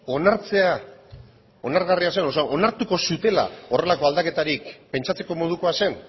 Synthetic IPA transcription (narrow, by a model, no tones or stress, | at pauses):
o̞naɾt͡se̞a | o̞naɾɣariasenosaʔo̞naɾt̪uko̞sut̪e̞la̰o̞rʔe̞lako̞ald̪ake̞t̪aɾikpe̞nt͡ʃat͡se̞ko̞mo̞ð̞uko̞ase̞n